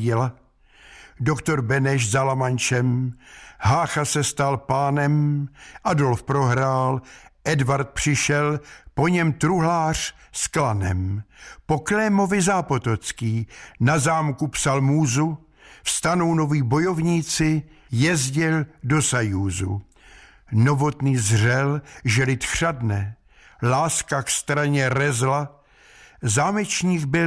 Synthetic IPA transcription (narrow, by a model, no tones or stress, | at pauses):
ɪla | dokt̪o̞ɾbɛnɛʃzalamant͡ʃɛm | ɦaːxasɛst̪alpaːnɛmʔado̞lfpɾo̞ɦɾaːlʔɛdvaɾt̪̚pr̥ɪʃɛlpo̞ɲɛmt̪ɾuɦlaːr̥sklanɛ̰mpo̞klɛmo̞vɪzaːpot̪ot͡skiːnazaːmkupsalmuːzu | fst̪ano̞wno̞viːbo̞jo̞vɲiːt͡sɪ | jɛzɟɪldo̞sajuːzṵ | no̞vo̞t̪niːzrɛlʒɛlɪt̪xr̝̥adnɛ | laːskakst̪ɾaɲɛɾɛzla | zaːmɛt͡ʃɲiːɡbɪ